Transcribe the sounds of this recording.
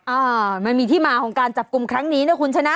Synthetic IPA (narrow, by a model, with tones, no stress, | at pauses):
ʔaː˧˩ma˧nmiː˧t̪ʰiː˥˩maː˧kʰɔː˩˦ŋkaː˧nt͡ɕa˨˩p̚ku˧mkʰɾa˦˥ŋniː˦˥nɯ˦˥˩ɐkʰu˧nt͡ɕʰa˧na˦˥